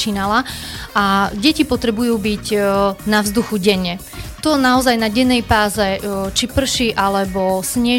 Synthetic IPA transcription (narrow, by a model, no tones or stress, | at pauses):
t͡ʃiːnalaʔaɟɛcipɔt̪ɾɛbujuːbiɟnavzd̪uxuɟɛɲːɛ | t̪ɔnaɔzajnaɟɛnːɛjpaːzɛt͡ʃipr̩ʃiʔalɛbɔsɲɪɛ